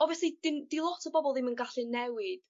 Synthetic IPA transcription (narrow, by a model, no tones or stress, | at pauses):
ɔvɛsid̥ɪndilˠɔtʰəbɔbɔlˠdɪmənɡaɬɨnɛwɪd̥